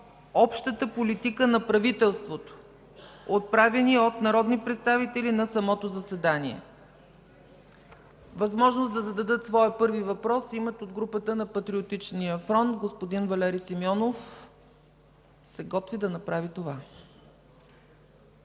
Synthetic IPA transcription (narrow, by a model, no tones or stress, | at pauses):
ɔpʃt̪ət̪əpolit̪ikənɐpɾɐvit̪ɛlˠst̪vot̪o̥ | ot̪̚pɾavɛniot̪nɐɾɔd̪nipɾɛt̪st̪avit̪ɛlinɐsɐmɔt̪ozəsɛd̪aniɛ̰ | vɐzmɔʒnosd̪ɐzɐd̪ɐd̪ɤt̪svɔɛpɤɾvivɐpɾɔsimɛt̪od̪ɡɾupət̪ənɐpɐt̪ɾiot̪it͡ʃnijəfɾɔnt̪ɡospod̪invɐlɛɾisimɔnof | sɛɡɔt̪vid̪ɐnɐpɾavit̪ova